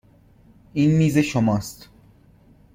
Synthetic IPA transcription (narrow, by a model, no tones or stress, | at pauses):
iːnmiːzeʃomɒːst̪